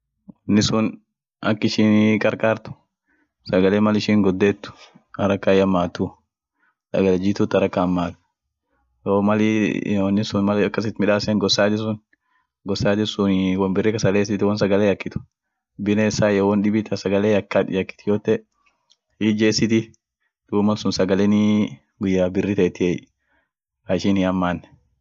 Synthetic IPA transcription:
nːɪsʊn | ɐkːɪʃiːnkʼɐɾkʼaːɾt̪ʊ̥ | sɐɡɐleːmɐlɪʃiːŋɡɔd̪ːeːt̪ːʊ̥ | ɐɾɐkːajɐmːaːt̪ːʊ | sɐ̰ɡɐlɪd͡ʒɪt̪ʊt̪ːɐɾɐkːamːaːt̪ | joːmɐlɔnːɪsʊnmɐlɐkːɐs̬ɪt̪mɪᶑaːsɛŋɡɔsaːt̪ɪs̬ʊn | ɡɔsːaːt̪ɪsʊnwɐnbɪrːɪkɐsɐleːsɪt̪ːɪwɔnsɐɡɐlejɐkːɪt̪ʊ̥ | bɪnesajowɔnɗɪbɪt̪ʰɐsɐɡɐleɐkːɐjɐkːɪ̥t̪ɪjoːt̪ːɛ | hiːd͡ʒeːsɪt̪ɪ | d̪uːmɐnsʊnsɐɡɐlɛnɪ | ɡʊjːaːbɪrːɪt̪ɐɛt̪ːɪe | kaɪʃɪnɪɐmːaːnːɛ

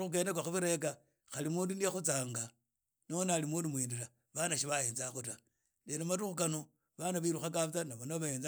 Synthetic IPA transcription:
uxuke̞ːnekwaxuβiɾe̞ka | xalimuːndunijexut͡saːŋɡa | noonalimuːndumwiːndila | βanaʃiβaje̞ːnzaxuta | lenematuxukano̞ | βanaβiɾuxakat͡sanaβonaβaβajeːna

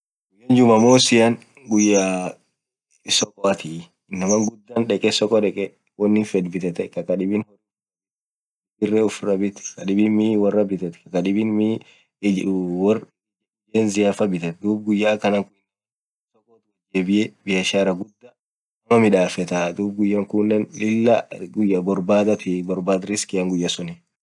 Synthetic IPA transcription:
ɡʊjːɐnd͡ʒʊmɐmoːsɪjan | ɡʊjːa | sɔkʼɔɐt̪ɪ | nɐmɐŋɡʊd̪ːaːnᶑɛkʼɛsɔkʼɔᶑɛkʼɛ | wɐnːɪfɛd̪bɪt̪ɛt̪ɛkɐkɐᶑɪbɪnhɔr | bɪrːɛʊfrɐbɪt̪ɛ̥kɐᶑɪbinmiwɐrːɐbɪt̪ɐt̪kɐkɐᶑɪbɪnmi | wɐr | eːnzɪjaːfɐbɪt̪ɛt̪d̪uːb̚ɡʊjːaːkɐnɐŋkʊn | sɔkʼːɔt̪ʊd͡ʒɛbɪʔɛbɪjɐʃaɾɐɡʊd̪ːɐ | ɐmɐmɪᶑaːfɛt̪ad̪uːb̚ɡʊjːaːŋkʊnːɛnɪlːɐɡʊjːɐbɔɾbaːd̪ɐt̪ɪbɔɾbaːd̪ɾɪskɪjɐŋɡʊjːɐsʊnɪ

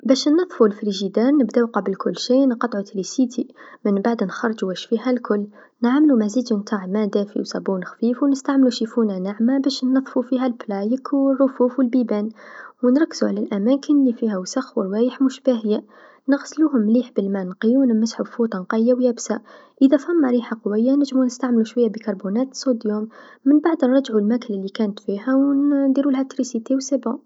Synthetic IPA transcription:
bæʃnːɑðˤfulfɾiʒid̪ɑɾˤnəbd̪æwqɑbəlkʰʊlːʃinqɑt̪ˤʕut̪ɾisit̪ʰimənbaʕd̪nxɑɾˤd͡ʒuwæʃfiɦælkʰʊlː | nʕamlumæziːd̪mənt̪ʰˤɑʕmæd̪æfḭwsɑbunxfifwnəst̪aʕmluʃifunanaʕmabæʃnːɑðˤfufiɦælblæjəkʰərˤːʊfufwəlbibænwənɾˤɑkːzuʕalælʔæmækənlifihæwsaxwəɾwæːjəħmʊʃbæɦɪjːa | nəɣsluɦʊmːliːħbəlmænqijunmæsħufut̪ˤɑnqɑjːawjæːbsaʔəðæfhæmːaɾiħaqwɪjːanæʒmunəst̪aʕmluʃwajːabəkɑɾˤbunæːt̪sˤod̪jumːənbaʕd̪nɾˤɑd͡ʒʕulmækəlɪlːikænt̪fiɦæwnd̪iɾulhæt̪ɾisit̪ewsabu

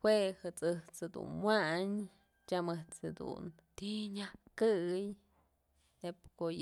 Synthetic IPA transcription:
hwehɨt͡sɨht͡shed̪ṵnmwaɲ | t͡ʃʲamɨht͡shed̪ṵn | t̪iɲahkɨj | epkoj

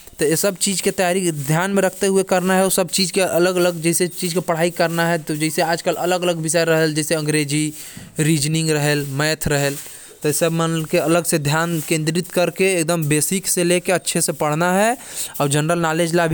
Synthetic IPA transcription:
t̪ɔjesəbt͡ʃid͡ʒket̪əjaɾikd̪ʱjanmẽɾəkʰt̪eɦuekəɾnaɦɛosəbt͡ʃid͡ʒkeələɡələɡd͡ʒɛɦɪset͡ʃid͡ʒkepəɽ̤aikəɾnaɦɛt̪ɔd͡ʒɛɪseaːd͡ʒkələləɡələɡbisəɾəɦeld͡ʒɛseə̃ŋɡɾed͡ʒi | ɾid͡ʒniŋɡɾəɦelmɛjt̪ʰɾəɦəl | t̪ɔsəbmənkeələɡsed̪ʱjankẽnd̪ɾit̪kəɾkeek̚d̪əmbesikselekeətːʃʰesẽpəɽ̤naɦɛɔːɾd͡ʒənɾəlnaled͡ʒlabʱi

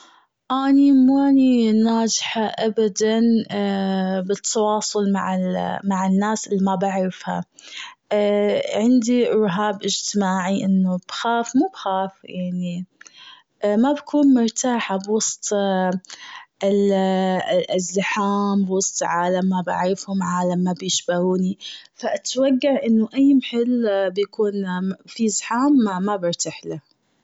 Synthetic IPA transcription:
ʔaːnimuaninaːd͡ʒħaʔabad̪an | bɪt̪ʰːɑwɑːsˤʊlma̰ʕamaʕɪnːaːsʔɪlːimabaʕɾɪfha̰ | ʕɪnd̪iʔʊɾɦaːbʔɪd͡ʒt̪ɪmaːʕiʔɪnːub̥xaːfmuːbxaːfjaʕni | mabkuːnmʊɾt̪aːħabwɑsˤt̪ˤ | ɪl | zːɪħaːmbwɑsˤt̪ˤlʕaːlamːabaʕfhʊmʕaːlamːabjɪʃbaɾuːnifaʔat̪waɡːaʕʔɪnːʊʔajːmħɪlbjakuːnfizɪħaːmːabɪɾˤt̪aħlah

